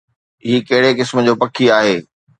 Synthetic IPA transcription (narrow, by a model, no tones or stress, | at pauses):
ɪɦikɐɦɪɽekɪsməd͡ʑoːpɐkʰiaːɦeː